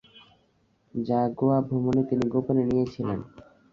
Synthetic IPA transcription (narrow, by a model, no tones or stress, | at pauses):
d͡ʑaɡoabʱomonet̪iniɡoponenijet͡ɕʰilen